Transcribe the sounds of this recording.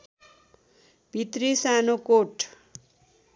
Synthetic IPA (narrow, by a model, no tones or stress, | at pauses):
b̥ʱit̪risanokoʈʰ